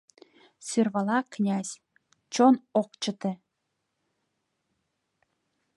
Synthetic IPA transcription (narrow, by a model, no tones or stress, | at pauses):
syrβɑlɑknʲæz̥ʲ | t͡ɕonok̚t͡ɕə̆t̪ĕ